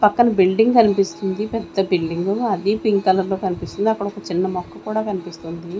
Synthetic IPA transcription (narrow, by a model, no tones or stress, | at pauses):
pɐkːɐnɐbilɖiŋɡkɐnipist̪und̪ipɛd̪ːɐbilɖiŋɡuɐd̪ipiŋkːɐlɐɾlo̞ːkɐnipist̪und̪iɐkːɐɽɐɔkɐt͡ʃinːɐmɔkːɐkuːɽaːkɐnipist̪und̪i